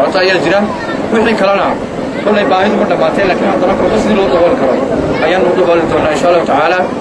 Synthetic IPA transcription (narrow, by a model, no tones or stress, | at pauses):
at̪ɐɐjaːd͡ʒɪɾan | wɑħikʰɐlɐnɐ | kʰɔlːɛjbaːɦɪðʊmɐɖɐmːaːt̪ʰɛːnlaːkʰɪnhɐd̪ɐɾɐkɔt̪ɐsɪd̪iːlɔːʊd̪ɔɣɔlkʰɐɾɔʔɐjaːnd̪ɔɣɔlɪd̪ɔːnːaːɪnʃaːɐlːaːhʊt̪ʰʕaːlaː